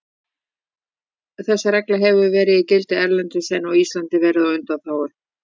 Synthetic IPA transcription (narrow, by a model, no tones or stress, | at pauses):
θɛsːaɾɛklaɦɛvʏvɛːɾɪðicɪlt̪ɪɛɾlɛnt̪ʏsɛnːawist̪lant̪ɪvɛːɾɪðawʏnt̪aθaːwʏɾ̥